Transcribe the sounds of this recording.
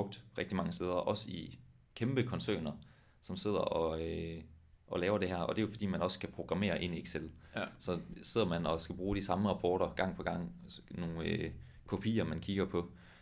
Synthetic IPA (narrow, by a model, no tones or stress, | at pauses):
ɔɡ̥̚d̥ʁeɡ̥̚d̥imɑ̈ŋəsd̥eːð̞ˠɐʔɒ̽si | kʰemb̥əkʰɒ̽nsø̰ːnɐ | sɒ̽mse̝ð̰ˠɐʔɒ̽ø | ʔɒ̽lɛːʊɐɾ̥e̝ɦæɐ̰ɒ̽d̥e̝jo̝fɒ̽d̥ḭːmænɒ̽skʰæpʰʁo̝ɡ̥ʁɑ̈me̝̰ːɐʔe̝nieɡ̥selsɒ̽se̝ð̞̰ˠɐmænɒ̽sɡ̥æb̥ʁuːd̥isɑ̈məʁɑ̈pʰɒːɾ̥ɐɡ̥ɑ̈ŋ̰pʰɒ̽ɡ̥ɑ̈ŋ̰no̝ːn̩ | kʰo̝pʰḭːɐmænkʰiɡ̥ɐpʰɒ̽